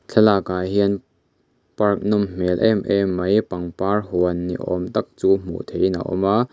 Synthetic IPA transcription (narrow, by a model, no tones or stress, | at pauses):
t͡ɬʰɛlaːkaːjɦiən | pɐrk̚nɔmm̥ɛlʔɛ̰mʔɛmːɐjpɐŋpaːrhuənːḭʔɔ̰mt̪ɐk̚t͡suːm̥ṵʔt̪ʰejna̰ʔɔ̰maː